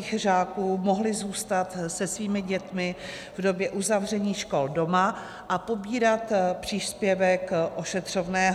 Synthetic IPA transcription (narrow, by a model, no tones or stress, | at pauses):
ɣr̝aːkuːmo̞ɦlɪzuːst̪at̪sɛsviːmɪɟɛt̪mɪ | vdo̞bjɛʔuzavrɛɲiːʃko̞ldo̞ma | ʔapo̞biːɾat̪pr̥iːspjɛvɛkʔo̞ʃɛt̪r̝̥ovnɛːɦ